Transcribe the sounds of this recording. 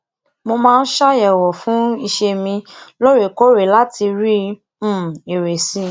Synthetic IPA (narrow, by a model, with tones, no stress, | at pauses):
mo˧mãː˦˧n̩˦ʃa˦jɛ˨wɔ˨fũ˨˦i˧ʃe˧mĩ˧lo˦ɾe˨ko˦ɾe˨la˦ti˧ɾĩ˦˨ | e˨ɾe˨sĩ˦